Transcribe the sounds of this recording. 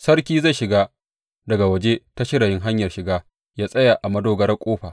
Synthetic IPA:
sɐ˦rkʲiː˦za˦˨ʃɪ˨ɡaː˦ | dɐ˨ɡa˨wɐ˨d͡ʒe˦ta˦ʃɪ˦ɽa˨jɪ˦ŋɦa˦ɲjɐ˨rʃɪ˨ɡaː˦ | jaː˦sʼɐ˦ja˨ʔa˨mɐ˦doː˦ɡɐ˦ɾɐ˦kʷʼoː˦ɸaː˨

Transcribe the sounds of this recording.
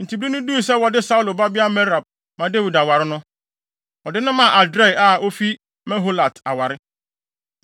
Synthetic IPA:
n̩˨tʰi˨bɾi˦nʊ̃˦du˦i˨s̬ɛ˦wɔ˨dɪ˦sa˦u˦lo˨ba˦bɪ˦a˦mɛ˦ɾa˨b̚ | mã˨de˦wi˨da˨wa˨ɾɪ˦nʊ̃˦ | ɔ˨dɪ˦nʊ̃˦mã˨ʔa˨dɾa˦˨a˨o˦fi˦ | mɛ̃˦ɦo˦la˨tʰa˨wa˨ɾɪ˦

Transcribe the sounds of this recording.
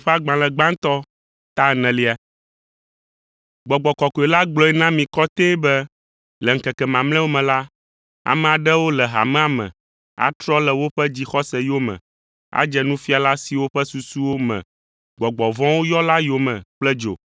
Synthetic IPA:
ɸɛ˦a˦ɡ͡bã˨lɛ˨ɡ͡bã˦ŋ˦t̪ɔ˦ | t̪a˦˨nɛ̃˨li˦a˨ | ɡ͡bɔ˨ɡ͡bɔ˨kɔ˨kɔ˨ɛ˨la˦ɡ͡blɔ˨ɛ˦nã˦mĩ˨kɔ˦t̪e˦bɛ˦ | lɛ˨ŋ̩˨kɛ˨kɛ˨mã˨ml̃ɛ̃˦wo˦mɛ̃˨la˦ | a̰˨mɛ̃˨a˨ɖɛ˦wo˦lɛ˨ɦa̰˨mɛ̃˦a˨mɛ̰̃˨ | a̰˨t̪ɾɔ˦lɛ˨wo˦ɸɛ˦d͡ʑi˦xɔ˦sɛ˨jo˦mɛ̰̃˨ | a̰˦d͡ʒɛ˨nũ˦fi˦a˨la˦si˨wo˦ɸɛ˦su˨su˦wo˦mɛ̰̃˨ | ɡ͡bɔ˨ɡ͡bɔ˨vɔ̃˦wo˦jɔ˦la˦jo˨mɛ̃˨k͡plɛ˦d͡ʒo̰˨

